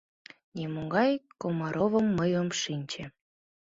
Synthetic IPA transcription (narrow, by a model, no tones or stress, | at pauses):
nʲemoɡɑjkomɑɾʔoβəmːəjomʃinʲt͡ɕĕ